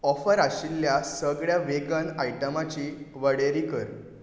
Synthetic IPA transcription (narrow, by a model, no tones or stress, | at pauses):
ɔfəɾaɕilːjasəɡɭjaʋeɡənajʈəmat͡ɕiːʋəɽeɾikəɾ